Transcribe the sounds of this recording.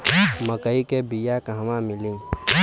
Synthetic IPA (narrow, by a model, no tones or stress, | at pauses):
məkəikebijakaɦmãmɪlĩ